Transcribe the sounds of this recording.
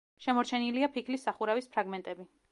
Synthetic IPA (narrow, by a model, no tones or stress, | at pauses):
ʃɛmɔɾt͡ʃʰɛniliapʰikʰlisːaχuɾavispʰɾaɡmɛnt̪ʼɛbi